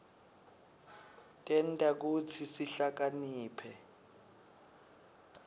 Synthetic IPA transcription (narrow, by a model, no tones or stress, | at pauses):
tʼɛntʼak̬ut͡sʰisiɬak̬aniːpʰɛ